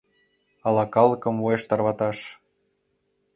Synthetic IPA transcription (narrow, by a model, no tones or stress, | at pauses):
ɑlɑkɑlˠəkə̆mvueʃt̪ɑrβɑt̪ɑʃ